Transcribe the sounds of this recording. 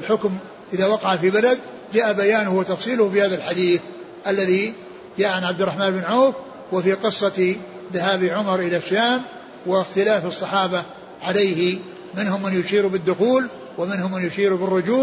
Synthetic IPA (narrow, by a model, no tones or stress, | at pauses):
lħʊkm | ʔɪðaːwɑqɑʕafibalad̪ | d͡ʒaːʔabajaːnʊhwɪt̪ɑfsˤiːlʊhfihaːðalħad̪iːθ | ʔalːaði | d͡ʒaːʔʕanʕab̚d̪ɪrˤːɑħmaːnbɪnʕoːf | wɪfiqɨsˤːɑ | ðahaːbiʕʊmɑɾˤʔɪlaʃːaːm | wɪxt̪ɪlaːfɨsˤːɑħɑːba | ʕalejhɪ | mɪnhʊmːanjʊʃiːɾubɪd̪ːʊxuːl | wamɪnhʊmːanjʊʃiːɾubɪrːʊd͡ʒuː